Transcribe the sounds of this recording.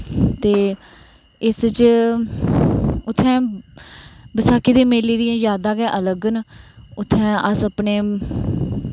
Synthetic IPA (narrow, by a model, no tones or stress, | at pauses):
t̪eː | ɪst͡ʃ | ʊt̪ʰːɛ̃ː | bəsaːkiːd̪eːmeːliːd̪ɪjãːzaːd̪aːkɛːʔələɡnʊt̪ʰːɛ̃ːəsəpneː